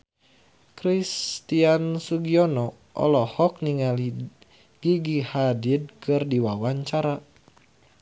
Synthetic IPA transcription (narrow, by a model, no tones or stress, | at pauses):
kɾist̪iansuɡiɔnɔ | ʔɔ̰lɔhɔk̚niŋali | ɡ̥iɡihadid̚kɨrdiwawaɲt͡ʃaɾa